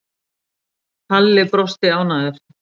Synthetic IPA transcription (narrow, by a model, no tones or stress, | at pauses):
t̪ʰalːɪɣpɾɔst̪ɪaːwnaðʏɾ̥